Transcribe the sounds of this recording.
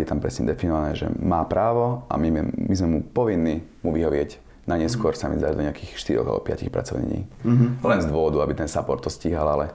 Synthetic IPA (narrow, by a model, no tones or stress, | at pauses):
jɛt̪ampɾɛsɲɛd̪ɛfinɔʋanɛːʒɛ̰maːpɾʔaːʋɔʔa̰mimizmɛmupɔʋinːimuʋiɦɔʋɪɛɟ | naɲɛskʊɔɾsamḭzd̪ad̪ɔɲɛakiːxʃt̪iɾɔ̰ɣa̰lbɔ̰pɪa̰cixpɾa̰t͡sɔʊɲɛ̰ɲḭːlɛnzd̪ʊɔʋɔd̪uabit̪ɛnsapɔɾt̪ːɔsciːɦalalɛ